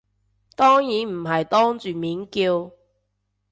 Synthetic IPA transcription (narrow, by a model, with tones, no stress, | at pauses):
t̪ɔː˥ŋjiː˨˥nm̩˨˩ɦɐ˨jt̪ɔː˥ŋt͡ʃyː˨miː˨˥nkiː˧w